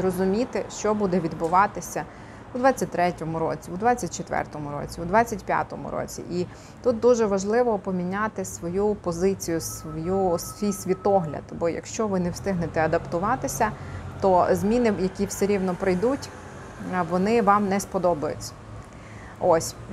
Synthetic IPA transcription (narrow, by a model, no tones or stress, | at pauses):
rɔzʊmʲit̪ɪʃt͡ʃɔbud̪ɛʋʲid̪bʊʋɑt̪ɪsʲɐ | ʊud̪ʋɑt͡sʲːɐt̚ʲt̪ɾɛtʲɔmʊɾɔ̰t͡sʲiud̪ʋɑt͡sʲːɐt̚ʲt͡ʃet̪ʋɛ̰rt̪ɔmʊɾɔ̰t͡sʲiud̪ʋɑt͡sʲːɐtʲpʲja̰t̪ɔmʊ̰ɾɔ̰t͡sʲḭʔi | t̪ut̪̚d̪uʒɛʋɐʒlˠɪʋɔpɔmʲinʲat̪ɪsʋɔjupɔzɪt͡sʲijʊsʋɔjusʋʲijsʲʋʲit̪ɔɦlʲɐ̰d̪bɔjɐ̰kʃt͡ʃɔʋɪnɛwst̪ɪɦnet̪ɛɐd̪ɐpt̪ʊʋɑt̪ɪsʲɐt̪ɔzmʲinɪjɐkʲiwseɾʲiwnɔpɾɪjd̪utʲ | ʋɔnɪʋɑmnɛspɔd̪ɔbɐjʊ̰t͡sʲːɐ̥ | ɔsʲ